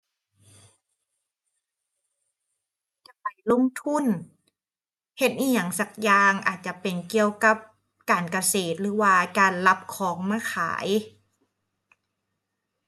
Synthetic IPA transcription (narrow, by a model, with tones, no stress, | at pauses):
t͡ɕa˧˩pa˨˩jlo˧˥˨ŋt̪ʰu˧˥˨n | he˧˦t̪̚ʔiː˧˩ɲa˨˩˦ŋsa˧˩k̚jaː˧ŋʔaː˨˩t̪̚t͡ɕa˧˨pe˨˩nki˧əwka˧˥p̚ | kaː˨nka˧seː˨˩t̪̚lɯː˨˩˦waː˧˩kaː˨nla˧˥p̚kʰɔː˨˦ŋmaː˧˩˨xʰa̰ː˩˦j